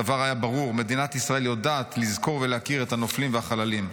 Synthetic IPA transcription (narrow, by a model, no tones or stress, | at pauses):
avaʁhajabaʁuʁme̞d̪inat̪isʁae̞ljo̞daːt̪lizko̞ʁveleakiʁet̪hano̞flimveaχalalim